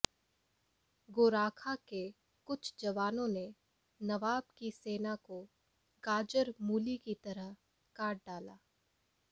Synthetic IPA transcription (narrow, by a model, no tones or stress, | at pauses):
ɡoːɾaːkʰake | kʊt͡ʃʰd͡ʒɐʋaːnõne | nɐʋaːbkiseːnako | ɡaːd͡ʒəɾmuːlikit̪ɐɾəɦ | kaːɾʈ̚ɖaːla̰ː